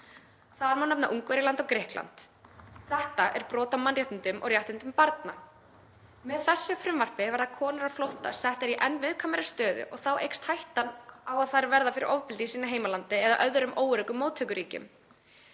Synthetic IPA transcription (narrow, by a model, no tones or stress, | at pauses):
θaɾmanɛpnaʔuŋkvɛɾɪlant̪ɔkɾɛːhkla̰nt̪ | θɛht̪aʔɛɾpɾɔːt̪amanrjaht̪ɪnt̪ʏmʔɔ̰ɣrjaht̪ɪnt̪ʏmpaɾt̪na | mɛðθɛsːʏfɾʏmvar̥pɪvɛɾðakʰɔːnaɾaflowht̪a̰sɛht̪ɛɾiʔɛnːvɪðkʰamɛɾɪ̥st̪œːðʏ̰ʔɔɣθawʔejkst̪hajht̪anawaðθaɾvɛɾðafɪɾɪ̰ɾʔɔvpɪlt̪isiːnaɦeːjmalant̪ɪɛða̰ʔœðɾʏmʔoːwɾʏkʏmːoːwt̪ʰœkʏɾiːcʏ̰m